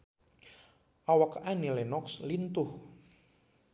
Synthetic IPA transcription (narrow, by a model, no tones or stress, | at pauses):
ʔawɔkanilenɔkslint̪ʊh